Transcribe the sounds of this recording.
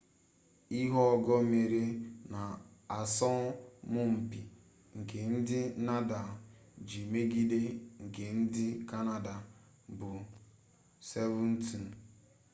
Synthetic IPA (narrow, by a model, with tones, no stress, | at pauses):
i˦ɦɔ˦ɔ˦ɡɔ˦me˨ɾe˦na˨a˨sɔ˦mʊ˦m̩˨bi˨ | ŋ̩˨ke˨n̩˦dɪ˦na˦da˨d͡ʒi˨me˦ɡi˦de˦ŋ̩˨ke˨n̩˦dɪ˦ka˦na˨da˨ | bʊ˨ | se˦vʊ˦n̩˦ti˨n˨